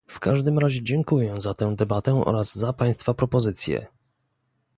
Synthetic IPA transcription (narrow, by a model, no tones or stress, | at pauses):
fkaʐd̪ɘmɾaʑɛd͡ʑɛŋkujɛ̃zat̪ɛ̃w̃d̪ɛbat̪ɛʔɔ̰ɾazzapaj̃st̪fapɾɔpɔzɘt̪sʲjɛ̰